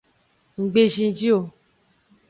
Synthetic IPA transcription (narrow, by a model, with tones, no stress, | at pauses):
ŋ̩˨ɡ͡be˧ʒĩ˧˦d͡ʒi˦o˧˨